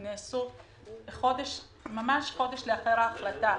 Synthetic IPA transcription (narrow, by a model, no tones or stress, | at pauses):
neːsu | χo̞d̪eʃ | mamaʃχo̞d̪eʃleaχeʁaːχlat̪a